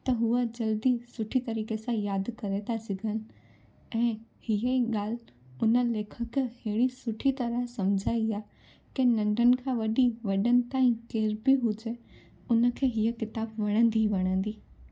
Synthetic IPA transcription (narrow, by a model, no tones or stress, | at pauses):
t̪ɐɦuəd͡ʑɐld̪isʊʈʰit̪ɐɾiːkesãjaːd̪kɐɾet̪ʰasɪɡʱənɪ̆ | ɛ̃ːhiəiɠaːlʊnə̆leːkʰəkheɦɪɽ̃isʊʈʰit̪ɐɾəɦsɐmd͡ʑʱaːiaː | kenɐ̃ɳɖʱənɪ̆kʰãʋɐɗiʋɐɗənɪ̆t̪aːĩkeːɾbɪɦʊd͡ʑe | ʊnə̆kʰeːɦiəkɪt̪aːbʋɐɽ̃ə̃nd̪iʋɐɽ̃ə̃nd̪iː